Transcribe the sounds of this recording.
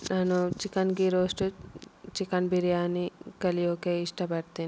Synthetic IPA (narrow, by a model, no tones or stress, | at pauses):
naːnut͡ʃikɐnɡiɾoːsʈut͡ʃikɐnbiɾijaːnikɐlijoːkeiʂʈɐpɐɽt̪iːni